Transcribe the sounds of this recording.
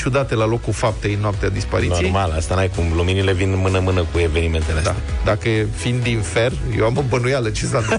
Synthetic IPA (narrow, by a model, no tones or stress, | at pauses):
t͡ʃud̪at̪e̞lalo̞kufap̚t̪eɨnːoap̚t̪ead̪ispaɾit̪noijjmalast̪anajkumluminile̞vinmɨnəmɨnəkue̞venime̞nt̪eled̪a | d̪akəfind̪infe̞r | jewaməbənujalət͡ʃesan